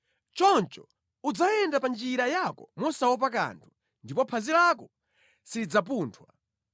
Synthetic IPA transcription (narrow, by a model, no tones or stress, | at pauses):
t͡ʃɔnt͡ʃɔ | ud͡zajɛndapand͡ʒiɾajakɔmɔsawɔp̬ak̬a̰ːntʰu̥ | ndipɔpʰazilakɔ | sid͡zap̬uːntʰwa̰